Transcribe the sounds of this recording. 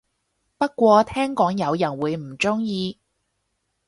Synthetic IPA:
pɐ˥kʷɔː˧t̪ʰɛː˥ŋkɔː˨˥ŋjɐ˨˧wjɐ˨˩nwuː˨˧jm̩˨˩t͡ʃʊ˥ŋjiː˧

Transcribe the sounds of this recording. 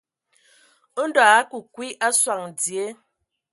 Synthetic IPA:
n̩˦dɔ˨a˦ku˨kwi˦ʔa˦swa˨ŋ˨d͡zje˦

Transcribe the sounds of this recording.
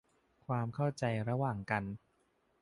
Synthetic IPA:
kʰwaː˧mkʰa˥˩wt͡ɕa˧jɾa˧waː˨˩ŋka˧n

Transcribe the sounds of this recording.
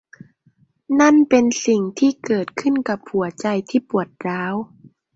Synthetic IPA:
na˥˩˨npe˧nsi˨˩ŋt̪ʰiː˥˩kɤː˨˩t̪̚kʰɯ˥˨nka˨˩˦p̚hu˨˩˦ɐt͡ɕa˧jt̪ʰiː˥˩pu˨˩ət̪̚ɾaː˦˥w

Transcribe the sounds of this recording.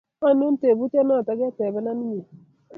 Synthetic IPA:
a˦nu˦n̩˦te˨bu˦te˦nɔ˦˨ta˨ɡe˦te˨bɛ˦na˦ni˦ɲe˨

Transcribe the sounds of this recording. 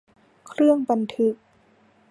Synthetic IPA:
kʰɾɯ˥˩əŋba˧nt̪ʰɯ˧˦˥k̚

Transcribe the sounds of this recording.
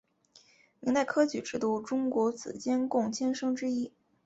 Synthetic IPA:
mi˧˥ŋt̪a˥˩ɪkʰɤ˥t͡ɕy˧˥ʈ͡ʂɻ̩˥˧t̪u˥˩ʈ͡ʂʊ˥ŋkwɔ˧˥t͡sɹ̩̰˨˩t͡ɕjɛ˥nkʊ˥˩ŋt͡ɕʰjɛ˥nʂɤ˥ŋʈ͡ʂɻ̩˥i˥

